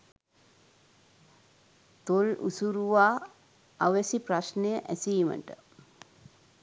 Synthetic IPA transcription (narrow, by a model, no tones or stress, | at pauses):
t̪olṵsuɾuʋaː | aʋəsipraʃnejəʔæsijːmə̰ʈə